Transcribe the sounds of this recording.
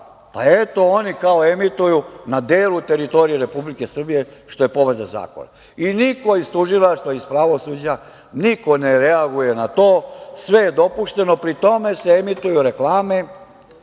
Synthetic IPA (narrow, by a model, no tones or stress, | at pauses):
pae̞t̪o̞onikao̞e̞mit̪ujunad̪eːlut̪e̞ɾit̪o̞ɾije̞ɾe̞publike̞sr̩bijeʃt̪o̞je̞po̞ʋɾed̪aza̰ːko̞̰na̰ | iniko̞izt̪uʒilˠaʃt̪ʋaispɾaʋo̞suːd͡ʑa | niko̞neɾeaɡuje̞nat̪o̞ːsʋe̞jed̪o̞puʃt̪e̞no̞pɾit̪o̞me̞seemit̪ujuɾe̞klaːme̞